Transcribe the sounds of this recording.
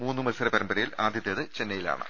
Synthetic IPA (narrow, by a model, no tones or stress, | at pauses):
muːnːɨmɐlsɐɾepɐɾɐmbɐɾɐjilaːd̪ʱjɐt̪jɐðɨt͡ɕe̞nːɐjila̰ːɳɨ̰